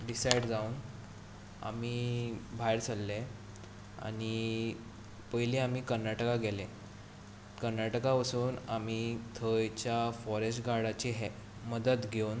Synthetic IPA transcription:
ɖisajɽd͡zauːn | a̰miːbʱajɾt͡sʰəlːe | a̰ɽ̃i | pəjliamiːkəɾnaʈəkaɡʱele | kəɾnaʈəkapəsuːnam̤iːt̪ʰəjt͡ɕjafɔɾesʈɡaɽat͡ɕeɦe | məd̪ət̪ɡʱeun

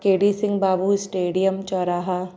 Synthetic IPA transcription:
keːɖisɪ̃ŋɡbaːbuɪsʈeːɖijəmt͡ʃɔːɾaːɦa

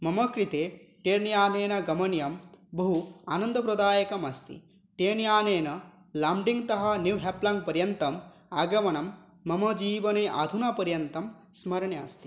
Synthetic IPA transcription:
mɐmɐkɾit̪eːʈeːɾnjaːneːnɐɡɐmɐnjɐmbɐɦuaːnɐnd̪ɐpɾɐd̪aːjɐkɐmɐst̪ḭ | ʈeːnjaːneːnɐ | laːmɖiŋɡt̪ɐɦɐ̆njuʋɦeplɐŋ̚pɐɾjɐnt̪ɐm | aːɡɐmɐnɐmː | ɐmɐd͡ʒiːʋɐneːʔa̰ːd̪ʱunɐpɐɾjɐnt̪ɐm | smɐɾɐɳjɐːst̪i̥

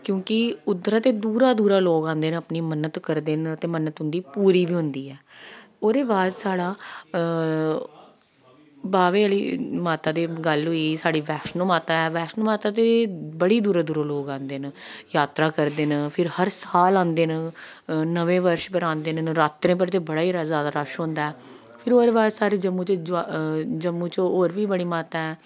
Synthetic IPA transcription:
kjõːkɪʊd̪ɾaːt̪eːd̪uːɾaːd̪uːɾaːloːɡãːnd̪eːnəpniːmənːət̪kəɾd̪eːnt̪eːmənət̪ɦʊ̃nd̪iːpuːɾiːbiːɦʊ̃nd̪iːɛː | oːd̪eːbaːd̪saːɽaː | baːʋeːəliːmaːt̪aːd̪eːɡəlɦʊiːsaːɽiːʋɛːʃnõːmaːt̪aːɛːʋɛːʃnoːmaːt̪aːt̪ebəɽiːd̪uːɾẽːd̪uːɾoːloːɡãːnd̪eːnjaːt̪ɾaːkəɾd̪eːnpʰɪɾhəɾsaːlãːnd̪eːn | nəʋẽːʋəɾʃpəɾãːnd̪eːnɾaːt̪ɾẽːp̬əɾt̪eːbəɽaːiːɾazaːd̪aɾəʃɦõːnd̪aɛː | pʰɪɾoːɾeːbaːd̪saːɽeːd͡ʒəmːũːt͡ʃd͡ʒd͡ʒəmːũːt͡ʃooːɾʋiːbəɽiːmaːt̪aːɛː

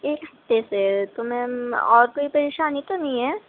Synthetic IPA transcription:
eːkɦɐt̪ːeset̪ʊmɦẽɔ̰ːɾkoːipɐɾeːʃaːnit̪onɐɦĩɦɛː

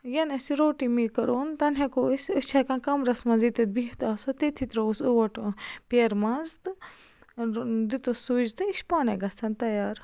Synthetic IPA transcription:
jɐnɐsiɾoːʈimikɐɾoːnt̪ɐnɦekosust͡ʃʰɐkãkɐmɾɐsmɐzit̪it̪̚biht̪aːsot̪it̪ʰit̪ɾousuʋɐʈpʲeːɾmɐzd̪ɨ | d̪it̪osud͡ʒt̪ɨiʃpaːneɡɐt͡sʰɐnt̪ɐjaːɾ

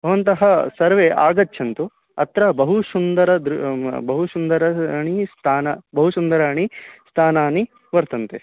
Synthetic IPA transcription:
bʱɐʋɐnt̪ɐɦɐsɐɾʋeʔa̰ːɡɐtːt͡ʃʰɐnt̪u | ɐt̪ɾɐbɐɦusund̪ɐɾɐd̪ɾubɐɦusund̪ɐɾɐɳist̪ʰaːnɐbɐɦusund̪ɐɾaːɳ̃ist̪ʰaːnaːni | ʋɐɾt̪ɐnt̪e

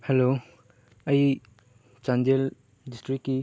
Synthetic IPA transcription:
helo | ɐj | t͡ʃand͡ʒel | distɾikːi

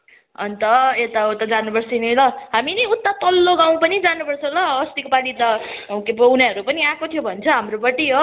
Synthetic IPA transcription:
ʌ̰nt̪ʌet̪aut̪ad͡zanupʌrt͡sʰinilʌɦaminʌut̪ːat̪ʌlːoɡaw̃pʌnid͡zanupʌrt͡sʰʌw̃lʌʌst̪ikopaɽit̪akepʌwnaɦʌɾupʌniãkot̪ʰijobʱʌnt͡sʰʌɦamrobʌʈːiɦo

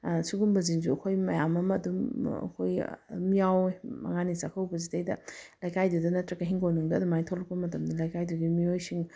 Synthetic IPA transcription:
suɡumbɐziŋzuɐkʰojmɐjamɐmɐːdumɐ̰kʰojmijawmɐ̰ŋanisakʰɐwbɐzitejdɐlajkʰajdudɐnɐtɾɐkɐɦiŋɡojnuŋdɐːdumajtʰolɐk̚pɐmɐtɐmdɐlajkajduɡimiojsiŋ

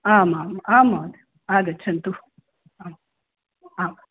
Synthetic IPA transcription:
amamamad̪ | aɡɐt͡ʃʰɐnt̪u | am | am

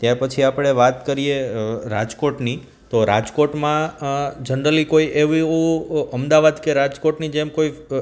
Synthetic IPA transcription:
t̪japət͡ʃʰiapɽ̃eʋat̪kəɾieɾad͡ʒkoʈni | t̪oɾad͡ʒkoʈmãd͡ʒənɾəlikoiʔeʋiũəmd̪aʋad̪keɾad͡ʒkoʈnid͡ʒemkoi

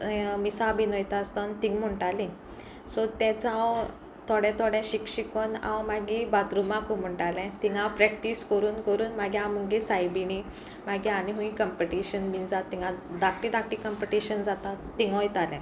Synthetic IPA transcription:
misabinɔjt̪aːst̪ant̪iŋɡm̤əɳʈalĩ | sɔt̪ɛ̃t͡saw | t̪ʰɔɽɛ̃t̪ʰɔɽɛ̃ɕikɕikɔnã̰wmaɡibat̪ɾumãkum̤əɳʈalɛ̃t̪ĩŋɡãwpɾɛk̚ʈiskəɾuːnkəɾuːnmaɡiaməŋɡesajbiñi | maɡĩaniɦũĩkəmpiʈiɕənbind͡zat̪ːĩŋɡãd̪ak̚ʈid̪ak̚ʈikəmpiʈiɕənd͡zat̪aːiŋɡɔ̃jt̪alɛ̃

